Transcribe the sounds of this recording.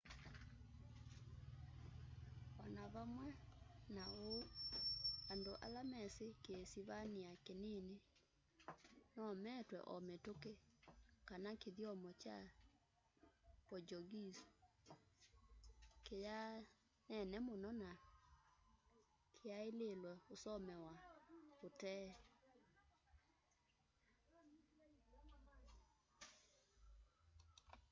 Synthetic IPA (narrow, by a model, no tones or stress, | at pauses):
ɔnaβamwɛnao | andoʔa̰lamɛsekesiβaniakenene | nɔmɛtwɛ̰ʔɔmetokekanakeðiɔmɔt͡ʃa | pɔd͡ʒɔɡis | keja | nɛnɛmʊnɔna | kʰejaelelɔosɔmɛwaotɛ